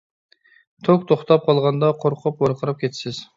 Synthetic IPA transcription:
t̪ʰok̚t̪ʰoχt̪ɑp̚qʰɑlˠʁɑnd̪ɑqʰoɾqʰʊpwɑɾqʰəɾɨp̚kʲʰet̪ʰsɪz̥

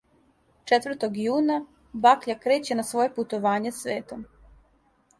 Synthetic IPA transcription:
t͡ʃet̪ʋɾr̩t̪oɡjuːna | bakʎakɾe̞ːt͡ɕe̞nasʋo̞je̞put̪o̞ʋaːɲe̞sʋe̞ːt̪om

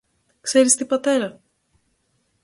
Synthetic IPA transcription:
kse̞ɾist̪ibɐt̪e̞ɾɐ

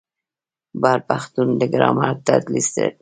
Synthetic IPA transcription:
baɾpaxt̪und̪əɡɾɑ̰mɑɾ̚t̪at̪list̪ḛ

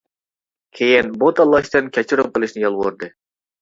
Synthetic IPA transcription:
kʲʰejɪnbot̪ɑlˠːɑʃt̪ɨnkʲʰɛt͡ʃʰiɾomqəlˠɨʃnɪjɑlˠʁoɾd̪ɨ

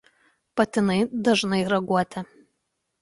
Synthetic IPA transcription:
pɐt̪ʲɪnɐɪd̪ɐʒnɐɪɾɐɡuɔt̪ʲɛ

